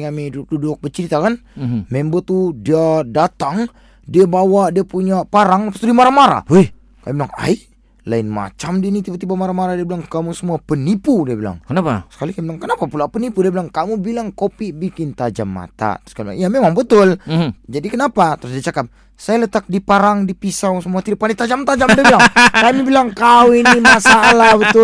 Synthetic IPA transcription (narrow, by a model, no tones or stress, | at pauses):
ŋamiduk̚dudʊk̚bət͡ʃəɾit̪akanmembot̪udiadat̪aŋ | diabawadiapuɲapaɾaŋapast̪udimaɾamaɾa̰ | kajbilaŋa̰jʔ | laɪnma̰t͡ʃamdinit̪ibat̪ibamaɾamaɾadiabilaŋkamusəmuapənipudiabila̰ŋkənaasə̥kalikabilaŋkənapapulapənipudiabilaŋkamubilaŋkopibikɪnt̪ad͡ʒa̰mːa̰t̪a̰t̪ɾskalbila̰ŋjamemaŋbət̪ʊld͡ʒadikənapat̪əɾʊs̬diat͡ʃakap̚ | sajalət̪ak̚dipaɾaŋdipisawsəmuat̪idipandit̪ad͡ʒamt̪ad͡ʒamdiilaŋkamibilaŋkawinimasalabət̪ʊ